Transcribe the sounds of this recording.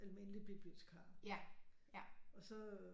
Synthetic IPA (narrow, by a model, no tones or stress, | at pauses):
ʔælme̝nəlib̥ib̥lilsɡkʰɑ̈ː | ɒ̽sɒ̽